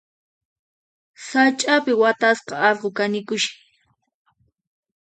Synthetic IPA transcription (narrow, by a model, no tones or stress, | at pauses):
sat͡ʃʼapɪwat̪asqɑɑlqokanɪkʊʃɪ̥